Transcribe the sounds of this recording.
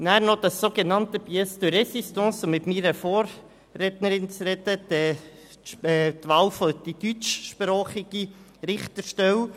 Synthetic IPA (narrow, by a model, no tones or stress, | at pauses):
næːɾnod̪ɑsːoɡenɑntəbiɛstuɾɛsistɔ̃ːsʊmːɪtmiːɾəfoːɾ | ɾɛt̪nəɾɪnt͡sɾɛd̪ədɛ | t̪ʋɑːwfod̥id̥yt͡ʃʃpɾɔːχɪɡ̥iɾɪχt̪əʃtɛw